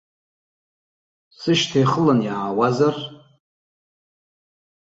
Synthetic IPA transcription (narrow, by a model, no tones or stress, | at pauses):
sɨʃtʰajχəlanjaːwazar